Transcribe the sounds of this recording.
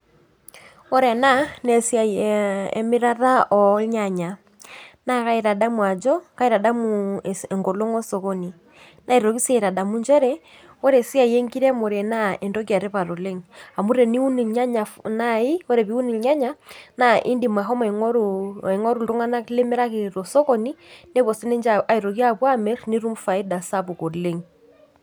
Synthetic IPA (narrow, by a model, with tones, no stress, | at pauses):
ɔ˦ɾɛ˨na˦nɛ˨sja˨ɛ̰˨mi˦ɾa˦ɾa˦ʔɔ˨˦ɲa˨ɲa˨ | na˦ka˦i˦ɾa˨da˦mwa˨d͡ʒɔ˦ka˦i˦ɾa˨da˦mu˨ɛ˨ŋɡɔ˨lo˦ŋɔ˦sɔ˨kɔ˦ni˨ | na˦i˨ɾɔ˨ki˦sa˨i˨ɾa˨da˨mu˦nd͡ʒɛ˦ɾɛ˦ | ɔ˦ɾɛ˨si˦a˦˨jɛ˦ŋɡi˦ɾɛ˦mo˨ɾɛ˨na˦ɛ˨ndɔ˦k̬ja˨ɾɛ˦βa˨ɾo˨le˦ŋa˨mu˦ɾɛ˨ni˦u˦ni˨ɲa˦ɲa˨na˦i˦ɔ˦ɾɛ˨βi˦u˦ni˨ɲa˦ɲa˦na˦ʔḭ˦ndi˨ma˨ɦɔ˦mɛ˨ɔ˦ɾɛ˨ŋɔ˦ɾu˨ɾu˦ŋa˦na˦le˦mɛ˦ɾa˦ke˨ɾɔ˨sɔ˦kɔ˦ni˦nɛ˦kwɔ˨si˦nɛ˦nd͡ʒaa˨i˨ɾɔ˨ki˦a˦pwa˦mɛ˦rni˦ɾu˦m˦fa˨i˦da˨sa˦pu˨kɔ˨le˦ŋ